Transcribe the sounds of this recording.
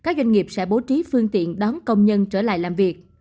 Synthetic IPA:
kaː˦˥k̚zwa˧ŋŋi˨˩əp̚sɛ̰˧˥ɓo˨˦t͡ɕi˨˦fɨ˧əŋt̪ḭ˧˨ənɗɔ˨˦nkə˧wŋ͡mɲə˧nt͡ɕəː˧˩la̰ː˧˨jlaː˨˩mvi˨˩ək̚

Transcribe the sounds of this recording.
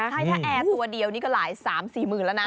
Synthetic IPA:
a˥˩jt̪ʰaː˥˩ʔɛː˧˩t̪u˧ɐdi˧ə˧wniː˦˥˩kɔː˥˩laː˩˦jsaː˩˦msiː˨˩mɯː˨˩nlɛ˦˥wna˦˥

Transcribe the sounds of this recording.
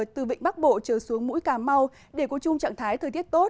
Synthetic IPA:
t̪ɨ˨˩vḭ˧˨ŋ̟ɓa˦˥k̚ɓo̰˧˨t͡ɕəː˧˩su˨˦əŋmṵ˧˥jkaː˧˩ma˧w | ɗe˧˩ku˨˧˩t͡ɕʊ˧ŋ͡mt͡ɕa̰ː˧˨ŋt̪ʰaː˨˦jt̪ʰəː˨˩jt̪i˦˥t̚t̪o˦˥t̚

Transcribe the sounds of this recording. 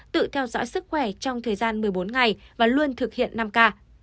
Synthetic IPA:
t̪ɨ̰˧˨t̪ʰɛ˧wzɔ̰ː˧˥jsɨ˦˥k̚xwɛ˧˩t͡ɕɔ˧wŋ͡mt̪ʰəː˨˩jzaː˧nmɨ˨˩əjɓo˨˦nŋa˨˩jvaː˨˩lu˧ənt̪ʰɨ˨˩k̚hḭ˧˨ənːa˧mkaː˧

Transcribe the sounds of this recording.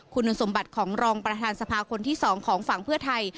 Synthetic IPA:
kʰu˧n˧so˩˦mba˨˩t̪̚kʰɔː˩˦ŋɾɔː˧ŋpɾa˧t̪ʰaː˧nsa˧pʰaː˧kʰo˧nt̪ʰiː˥˩sɔː˩˦ŋkʰɔː˩˦ŋfa˩˦ŋpʰɯ˥˩ɐt̪ʰa˧j

